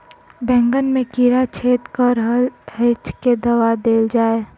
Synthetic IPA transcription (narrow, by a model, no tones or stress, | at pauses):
bɛ̃ːŋɡənmẽkiɾat͡ʃʰeːt̪kəɾɦəlɦet͡ʃked̪əʋad̪eːld͡ʒaːe